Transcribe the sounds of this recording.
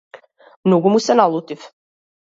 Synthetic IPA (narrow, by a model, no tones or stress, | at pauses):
mnoɡumusɛnalˠut̪if